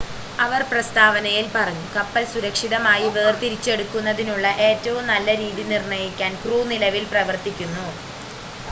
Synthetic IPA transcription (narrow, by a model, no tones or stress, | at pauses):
ɐʋɐrprɐst̪aːʋɐnɐjilpɐrɐɲːukɐpːɐlsuɾɐkʂiðɐmaːjiʋeːrt̪iɾit͡ɕːe̞ɽukːunːɐðinuɭːɐʔe̞ːtːɐʋumnɐlːɐɾiːðinirɳɐjikʲːaːnkruːnilɐʋilprɐʋɐrt̪ikʲːunːu